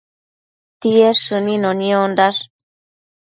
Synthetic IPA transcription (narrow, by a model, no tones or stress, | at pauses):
t̪ieʂɨnĩnoniond̪aʂ